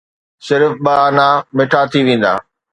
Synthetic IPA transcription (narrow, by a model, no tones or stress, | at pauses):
sɪɾfɓɐːnamɪʈʰat̪ʰiʋẽːn̆d̪a̰ː